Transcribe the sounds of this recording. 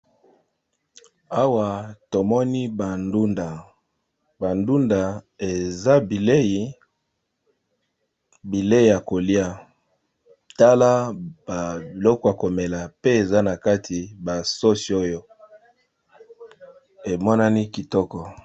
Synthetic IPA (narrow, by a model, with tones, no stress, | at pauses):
a˦wa˨to˨mɔ˦ni˦ba˨ndu˦nda˨ | ba˨ndu˦nda˨ | e˨za˦bi˨le˦ji˨ | bi˨le˦i˨ja˨ko˨li˦a˦ | ta˦la˦ba˨bi˨lɔ˦kɔ˦˨a˨ko˨me˨la˨pe˦e˨za˦na˨ka˦tʰi˨ba˨so˦si˨o˦jo˦ | e˨mɔ˦na˦ni˦ki˨tɔ˦kɔ˨